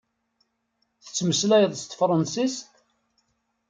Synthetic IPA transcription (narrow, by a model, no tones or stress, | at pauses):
θə̥t͡sːməslæjəðˤst̪fɾˤɑnsist̪